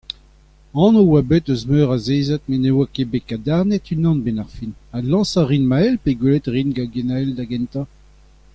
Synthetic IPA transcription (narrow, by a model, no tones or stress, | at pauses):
ɑ̃nowabet̪øzmøːʁazeːzat̪̚menewakebekad̪aʁnɛt̪ynɑ̃nbɛnaʁfinalɑ̃saʁinmaɛlpeɡwelet̪ʁinɡaɡenaɛld̪aɡɛ̃nt̪ɑ̃